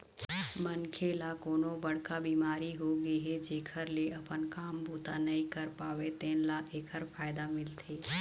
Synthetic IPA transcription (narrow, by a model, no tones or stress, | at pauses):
mənkʰeːlakoːnobɐɽ̤kabiːmaːɾiɦoɡəiɦɛd͡ʒeːkʰəɾleʔɐpənkaːmbuːt̪anɐɦĩkəɾpaːʋet̪ẽːnlaeːkʰəɾpʰaːɪd̪amɪlt̪ʰeː